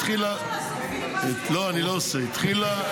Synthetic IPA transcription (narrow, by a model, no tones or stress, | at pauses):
χila | loaniloseit̪χila